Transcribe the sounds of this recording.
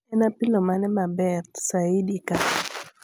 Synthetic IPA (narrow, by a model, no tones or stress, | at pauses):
ɛnapilɔmanɛmabɛt̪saidika